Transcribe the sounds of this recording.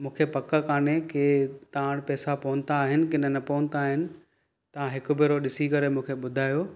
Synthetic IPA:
mũːkʰepɐkəkaːnekʰeːt̪aːɽ̃pɛːsapɐɦʊ̃n̆t̪aːɦɪnɪ̆kɪnənɐpɐʋə̃nt̪aːɦɪnɪ̆ | t̪ɐʋ̤ãɦɪkʊ̆bɪɾoɗɪsikɐɾemũːkʰeɓʊd̪ʱaːjoː

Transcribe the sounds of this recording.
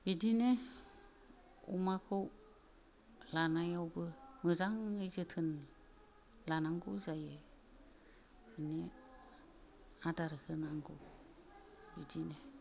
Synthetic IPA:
bidine | ṵmakʰɯw | lanajawbɯmɯzaŋɯjzɯtʰɯn | lanaŋɡɯwzaje | bine | adaɾɯkʰɯnaŋɡɯw | bidine

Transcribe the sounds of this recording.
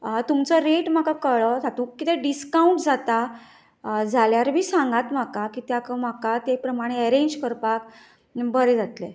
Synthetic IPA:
t̪umt͡sɔɾeʈm̤akakəɭəd͡zʱat̪ũkːit̪eɖiskawũɳʈd͡zat̪a | d͡zʱaljaɾmiːsãŋɡat̪m̤akakit̪jakəm̤akat̪epɾəmaɽ̃eəɾeɲd͡ʑkəɾpak | bəɾed͡zat̪le

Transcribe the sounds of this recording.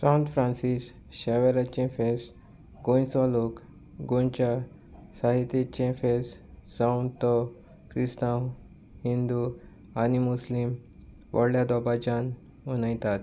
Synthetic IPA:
sãwnt̪fɾãnsis | ɕɛʋɛɾat͡ɕẽfes | ɡõjsɔlok | ɡõɲt͡ɕa | saɦit̪jet͡ɕẽfessawnt̪ɔ | kɾisnaw | hind̪u | animuslim | ʋə̰ɽljad̪ɔbad͡ʑan | ənajt̪at̪

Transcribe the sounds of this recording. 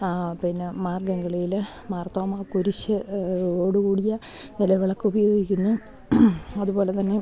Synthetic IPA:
pinːemaːrɡɐŋɡɐɭijil | maːrt̪ɐmakuɾiɕːɨoːɽukuːɽijɐ | nilɐʋiɭɐkːɨubɐjo̞ːɡikʲːunːu | ɐðubo̞ːlet̪ɐnːe̞

